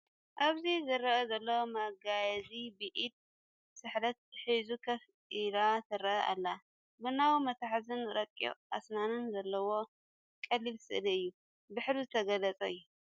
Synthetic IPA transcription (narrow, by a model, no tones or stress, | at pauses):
ʔaβzizɨrɐʔɐzɐlːɐwomaɡajɐzibiʔit̪̚ | sɨħɾɐt̪̚ħizukʰɐfʼiɾat̪ʰɨɾɐʔɐʔa̰lːa | bɨnːawumɐt̪ʰaħzɨnɾɐkʼo̰ʔa̰snanɨnzɐlːɐwo̞ | kʼɐlːilsɨ̰ʔliɨjːu | bɨħɾuzɨt̪ʰɐɡɐlɐt͡sʼɐɨjːu